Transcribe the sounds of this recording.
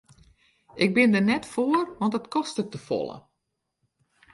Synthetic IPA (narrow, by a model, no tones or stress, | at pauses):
ʔɪk̚bɪndərnɛtfoərʋɔntətkɔstək̚təfɔ̰lˠə̰